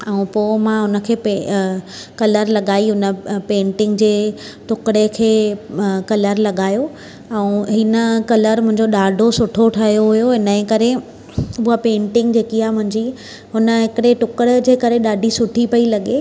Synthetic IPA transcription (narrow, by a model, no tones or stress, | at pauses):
ɛ̃ũpoːmãɦʊnə̆kʰeːpe | kɐləɾlɐɠaːiɦʊnə̆pẽːɳʈɪ̃ŋɡd͡ʑeː | ʈʊkɪɽekʰeːkɐləɾlɐɠaːjo | ɛ̃ũɦɪnəkɐləɾmʊ̃ɦɪ̃ɲd͡ʑoɗaːɖʱosʊʈʰoʈʰɐɦjoɦʊjoɦɪnəkɐɾe | uːapẽːɳʈɪ̃ŋɡd͡ʑeːkiaːmʊ̃ɦɪ̃ɲd͡ʑi | ɦʊnə̆ɦɪkɪɽeʈʊkɪɽd͡ʑeːkɐɾeɗaːɖʱisʊʈʰipɐilɐɠe